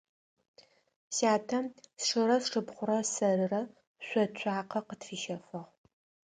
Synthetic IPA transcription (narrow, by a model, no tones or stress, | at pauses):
saːtʰɐmsʂɨɾɐsʂɨpχʷʊɾɐsɐɾɨrɐ | ɕʷɔt͡ɕʷʰʼaːqɐqətfiːʃɐfɨʁ